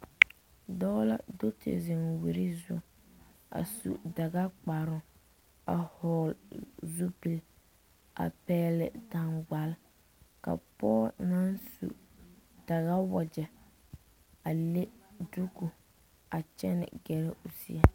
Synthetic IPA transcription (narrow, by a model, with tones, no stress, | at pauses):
dɔː˦la̰˦do˦tʰɪ̰˨zɪ˨nwi˨ɾi˦zʊ̰˦ | a̰˨sṵ˨da˨ɡa˦k͡pa˨ɾʊ˦ | a̰˨hɔː˨lzu˦pi˨l | a̰˨pɛː˦lɪ̰˨da˨ŋɡ͡ba˨l | ka̰˨pɔː˦na˦nsṵ˨ | d̥a˨ɣa˦wɔ˨d͡ʒɛ˨ | a˨le˦du˦ku˨ | a˨t͡ʃɛ˦nɪ̰˨ɡɛ˨lɪ˦ʊ˨sḭ˦ɛ˦